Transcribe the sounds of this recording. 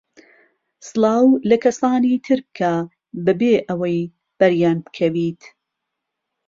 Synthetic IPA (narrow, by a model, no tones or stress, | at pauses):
sɨlˠɑːwlɐkʰɐsaːniːt̪ʰɨɾb̚kʰa | bɨbeːʔɐwɐj | b̥ɐɾjaːnbkʰɐwiːt̪